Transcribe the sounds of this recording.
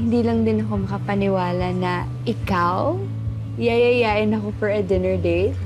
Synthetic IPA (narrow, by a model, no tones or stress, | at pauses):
hɪnd̪iːlɐŋd̪ɪnɐko̞mɐkɐpɐnɪwaːlɐnɐ | ʔɪkaw | jajɐjaːʔɪnɐko̞fɔɹɐd̪ɪnɛɹd̪ej